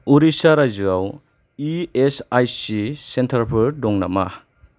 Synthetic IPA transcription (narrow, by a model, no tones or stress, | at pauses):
uɾisaɾajzɯaw | iesajsisentʰaɾpʰɯɾdɔŋnama